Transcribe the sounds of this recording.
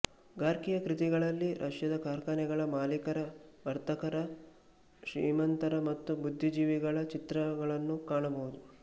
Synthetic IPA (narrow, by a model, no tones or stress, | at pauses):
ɡaːɾkijɐkɾit̪iɡɐɭɐlːiɾʔɐʂjɐd̪ɐkaːɾkɐnɛɡɐɭɐmaːlikɐɾɐʋɐɾt̪ɐkɐɾɐ | ʃɾḭːmɐnt̪ɐɾɐmɐt̪ːubud̪ʱːid͡ʒiːʋiɡɐɭɐt͡ʃit̪ɾɐɡɐɭɐnːukaːɳɐbɐud̪u